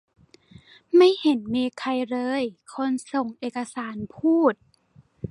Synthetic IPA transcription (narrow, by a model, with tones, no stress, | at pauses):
ma˥˩jhe˨˩˦nmiː˧kʰa˧jɾɤː˧˥jkʰo˧˥nso˨˩ŋʔeː˨˩ka˧saː˩˦npʰuː˥˩t̪̚